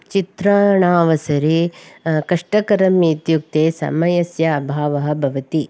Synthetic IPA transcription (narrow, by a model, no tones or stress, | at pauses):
t͡ʃit̪ɾɐɳaːʋɐsɐɾikɐʂʈɐkɐɾɐmiːt̪juk̚t̪eːsɐ̰mɐjɐsjɐːbʱaːʋɐɦɐ̆bʱɐʋɐt̪i